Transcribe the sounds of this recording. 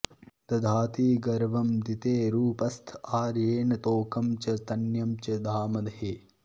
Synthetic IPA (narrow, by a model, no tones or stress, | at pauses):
d̪ɐd̪ʱaːt̪iːɡɐɾʋɐmd̪it̪eːɾuːpɐst̪ʰaːɾjeːnɐt̪oːkɐmt͡ʃɐt̪ɐnjɐmt͡ʃɐd̪ʱaːmɐd̪ɐɦe